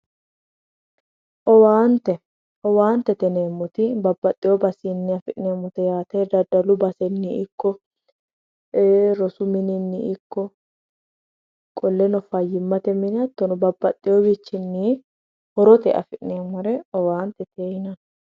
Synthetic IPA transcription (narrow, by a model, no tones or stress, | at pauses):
ʔɔwaːnt̪ɛ | ɔwaːnt̪ɛt̪ɛneːmːʊt̪ɪbɐbːɐt̪ʼːɪjɔbɐsɪnːɪɐfɪʔneːmːʊt̪ɛjaːt̪eːd̪ɐd̪ɐlʊbɐsɛnːɪɪkːɔ | eɾɔsʊmɪnɪnːɪɪkːɔ | kʼɔlːɛnɔfɐjːɪmːɐt̪ɛmɪnɐt̪ːɔnɔbɐbːɐt̪ʼːɪjobɪt͡ʃːɪnːi | hɔɾɔt̪ɛʔɐ̰fɪʔneːmːɐɾɛɔwaːnt̪ɛt̪eːjɪnɐn